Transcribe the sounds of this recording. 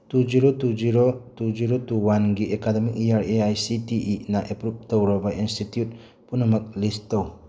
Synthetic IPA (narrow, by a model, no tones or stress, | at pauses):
tud͡ʒiɾotud͡ʒiɾotud͡ʒiɾotuwanɡiʔekademikiaɾeajsitiʔːnaʔepɾup̚tɐwɾɐbɐʔinstitjut̚ | punɐmɐk̚listːɐw